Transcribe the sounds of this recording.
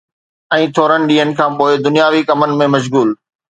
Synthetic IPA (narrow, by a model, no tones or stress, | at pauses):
ɛ̃ːt̪ʰoːɾəñɪ̆ɗiːɦənɪ̆kʰãːpoːɪd̪ʊnijaːʋikɐmənɪ̆mẽmɐʃ̬ɣuːl